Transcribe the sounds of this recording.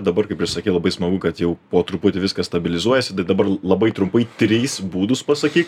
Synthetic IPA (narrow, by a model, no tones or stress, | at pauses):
d̪ɐbɐrkɐɪpʲɪʃsɐkʲeːlˠɐbɐɪsmɐɡʊkɐt̪jɛʊpoːt̪ɾʊpʊt̪ʲɪʋʲɪskɐst̪ɐbʲɪlʲɪzuɔjɛsʲɪt̪ɐɪd̪ɐbɐrlˠɐbɐɪt̪ɾʊmpɐɪt̪ʲɾʲiːsbuːd̪ʊspɐsɐkʲiːk